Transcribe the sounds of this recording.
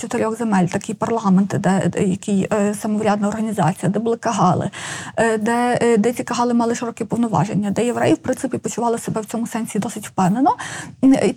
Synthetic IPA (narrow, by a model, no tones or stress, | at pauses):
t͡ʃɔt̪eɾʲɔɣzemɛlʲt̪ɐkɪjpɐrlˠɑment̪ɪd̪ɛjɐkʲijsɐmɔʋɾʲad̪nɐɔrɦɐnʲizɑ̰t͡sʲijɐd̪ɛbʊlˠɪkɐɦɑlˠɪ̰d̪ɛd̪ɛt͡sʲikɐɦɑlˠɪmɑlˠɪʃɪɾɔkɛpɔwnɔʋɑ̰ʒḛnʲːɐd̪ɛjeʋɾɛ̰jɪwpɾɪnsɪpʲipɔt͡ʃʊʋɑlˠɪsebɛwt͡sʲɔmʊsɛnʲsʲid̪ɔsɪtʲwpɛnenɔ | i